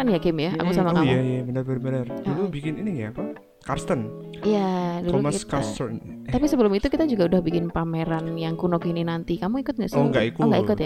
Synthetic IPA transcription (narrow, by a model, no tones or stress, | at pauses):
anjakɪmjaa̰kkusamakamajabənərbəərbənərdulubikɪniniŋaku | karst̪ən | ijadulumakitkaast̪ən | apisəbəlʊmit̪ukit̪ad͡ʒuɡaudahbikɪnpameɾanjaŋkunokininant̪ikamuikʊt̪̚ŋaʔsoŋɡaʔikoɡaikʊt̪ja